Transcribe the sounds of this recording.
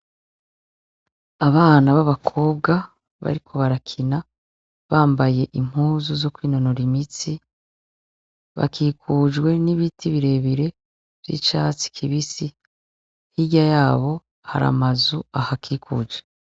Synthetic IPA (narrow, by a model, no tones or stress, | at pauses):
aβaːnaβaβakʰo̞ːb̚ɡa | βa̰ɾikʰo̞βaɾakʰina | βaːmbaje̞ʔim̥huːzuzo̞kwiːno̞no̞ɾimit͡si | βa̰kiːkʰud͡ʒɡwe̞niβitʰiβiɾe̞βiɾe̞ | v̥jḭt͡ʃaːt͡si̥kʰiβisi | hiɟajaːβo̞ | ha̰ɾa̰mazuahakʰiːkṵːd͡ʒe